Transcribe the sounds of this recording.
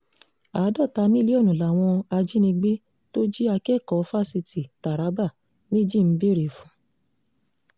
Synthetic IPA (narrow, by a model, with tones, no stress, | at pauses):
a˨˦dɔ˦˨ta˧˦mĩ˦li˦ɔ˦˨nũ˨la˨w̃ɔ̃˧a˧d͡ʒi˦nĩ˧ɡ͡be˦ | to˦d͡ʒi˦a˧kɛ˦˨kɔ˨˦fa˦si˧tʰi˨ta˨ɾa˨˦ba˦˨ | me˦d͡ʒi˦˨m̩˦be˦ɾe˨fũ˨˦